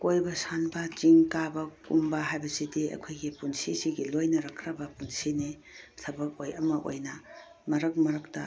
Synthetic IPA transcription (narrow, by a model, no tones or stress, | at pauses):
kojbɐsanbɐt͡ʃiŋkabɐkumbɐɦajbɐsidiɐ̰kʰojɡipunsisiɡilojnɐɾɐkʰɾɐbɐpunsini | tʰɐbɐp̚ojɐmɐʔo̰jnɐ | mɐɾɐk̚mɐɾɐk̚tɐ̰